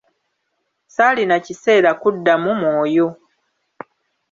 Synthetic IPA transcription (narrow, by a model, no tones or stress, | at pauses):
salinacise̞ːɾakudːamumoːjo̞